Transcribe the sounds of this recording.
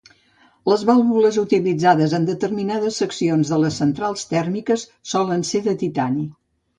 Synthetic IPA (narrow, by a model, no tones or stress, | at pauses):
ləzβalˠβuləzut̪ilid͡zaðəzənd̪ət̪əɾminaðəsːəksionzðələsːənt̪ɾalˠst̪ɛrmikəsːɔlənseðət̪it̪ani